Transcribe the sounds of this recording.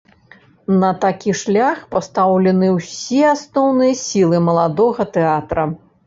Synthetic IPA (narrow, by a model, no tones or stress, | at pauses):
nɐt̪akʲiʂlʲaxpɐst̪awlʲɛnɨwsʲɛasnɔwnɨjɐsʲilˠɨmɐlˠad̪ɔɣɐt̪ɛat̪ɾɐ